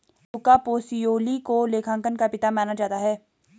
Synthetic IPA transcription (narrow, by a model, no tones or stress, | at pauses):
t̪ʊkapoːsijoːlikoleːkʰãːŋkənkapɪt̪amaːnad͡ʒaːt̪aɦɛː